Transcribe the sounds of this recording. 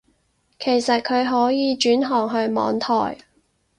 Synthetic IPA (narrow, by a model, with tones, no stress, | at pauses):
kʰe˨˩jsɐ˨t̚kʰɵ˨˧ɥɦɔː˨˥jiː˨˧t͡ʃyː˨˥nɦɔː˨˩ŋɦɵ˧ɥmɔ̰ː˨˧ŋt̪ʰɔ̰ː˨˩j